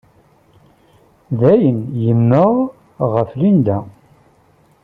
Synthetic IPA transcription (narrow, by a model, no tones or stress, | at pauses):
ðæjənjəmnoʁ | ʁəflind̪æ